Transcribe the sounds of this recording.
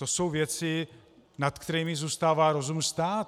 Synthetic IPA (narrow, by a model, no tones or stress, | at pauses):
oso̞wvjɛt͡sɪ | nat̪kt̪ɛɾiːmɪzuːst̪aːvaːɾozumnst̪aːt̪